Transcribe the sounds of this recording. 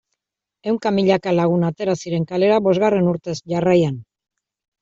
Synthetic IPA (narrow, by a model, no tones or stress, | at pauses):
e̞wŋkamiʎakalaɣ̞unat̪e̞ɾasiɾe̞ŋkale̞ɾaβo̞zɣare̞nuɾt̪e̞sʝarajan